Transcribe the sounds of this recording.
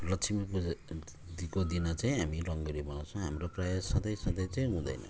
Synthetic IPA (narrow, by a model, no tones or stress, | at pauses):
lʌsʰimiko | d̪ikod̪inat͡saĩɦamiɾʌŋbʌɾibʌnãwt͡sʰʌ̃ɦamɾaprajasʌd̪ʌjsʌd̪ʌjt͡saj̃ɦũd̪ʌ̰jnʌ̰